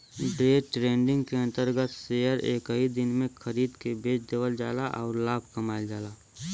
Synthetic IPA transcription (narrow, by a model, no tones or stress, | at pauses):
ɖeːʈɾẽːɳɖɪ̃ŋɡkeə̃nt̪əɾɡət̪sejəɾḛːkɦid̪ɪnmẽkʰəɾiːd̪kebeːt͡ʃd̪eːʋəld͡ʒaːlaʔɔːɾlaːb̚ʱkəmaːld͡ʒaːlaː